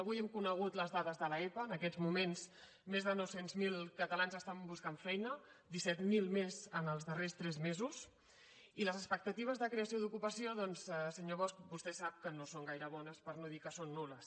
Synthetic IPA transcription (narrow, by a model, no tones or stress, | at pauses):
əβujɛmkunəɣ̞ut̪ləzðaðəzðələɛpəːnəkɛzmumens | mezðənɔwsenzmilˠkət̪əlanzəst̪ambuskaɱfɛjnə | d̪isɛt̪milˠmezənəlˠzðərest̪ɾɛzmezus | iləzəspək̚t̪ət̪iβ̞əzðəkɾeəsioðukupəsioðɔnzsəɲoβ̞ɔskbust̪ɛsap̚kənosoŋɡajɾəβɔnəspəɾnoðikəsonːuləs